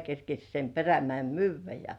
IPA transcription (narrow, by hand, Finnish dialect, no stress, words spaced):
kerkesʲ sem peræmæe̝m myːʋˑæ jɑ